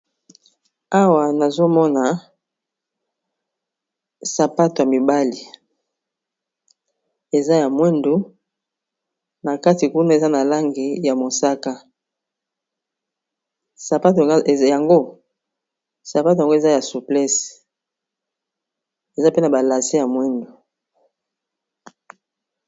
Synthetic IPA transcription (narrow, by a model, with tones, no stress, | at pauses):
a˦wa˨na˨zo˦mɔ˦na˨ | sa˨pa˦to˨ja˨mi˨ba˦li˨ | e˨za˦ja˨mwɛ˦ndo˨˦ | na˨ka˦ti˨ku˦na˦e˨za˦na˨la˦ŋɡi˨ja˨mo˨sa˦ka˦ | sa˨pa˦to˨ja˨ŋɡo˦ | sa˨pa˦t̬o˨a˨ŋɡo˦e˨za˦ja˨su˨plɛ˦s | e˨za˦pe˦na˨ba˨la˨se˦ja˨mwɛ˦ndo˨